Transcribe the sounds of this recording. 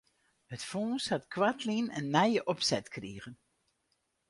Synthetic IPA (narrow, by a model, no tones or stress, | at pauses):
hətfɔːshɑtkʋatlinə̰nːɛjəʔɔpsɛtkreːɣən